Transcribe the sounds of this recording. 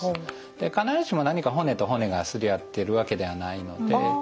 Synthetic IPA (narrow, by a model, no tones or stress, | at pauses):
d̪̥ekanaɾɯɕimo̞naɲ̟ikaɦo̞ne̞t̪o̞ɦo̞ne̞ɡasɨɾʲijat̪ːe̞ɾɯ̟βake̞d̪e̞βanaino̞d̪e̞